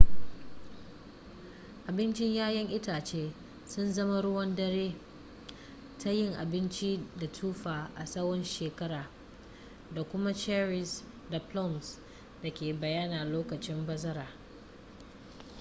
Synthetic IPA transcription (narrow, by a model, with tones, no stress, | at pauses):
ʔa˨bɪ˦nt͡ʃɪ˦ɲjaː˦jɐ˦ŋʔɪ˦taː˨t͡ʃeː˦ | sʊ˦nzɐ˦ma˦ɽʊ˦wɔ˦ndɐ˦ɽeː˦ | tʰa˦jɪ˦ŋʔa˨bɪ˦nt͡ʃi˦da˨tʰuː˦ɸaː˨ʔa˨sɐ˦wɔ˦nʃeː˨kɐ˦ɾaː˨ | da˨kʷʊ˦ma˦t͡ʃɛ˦ɾɪ˨s | da˨plɔ˦ns | da˨kʲeː˨bɐ˨jaː˦naː˨loː˦kɐ˨t͡ʃɪ˦mbɐ˦zɐ˦ɾaː˨